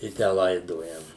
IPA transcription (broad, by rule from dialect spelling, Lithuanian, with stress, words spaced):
ɪ ˈtʲæː ˈlˠɐɪdoːjɛm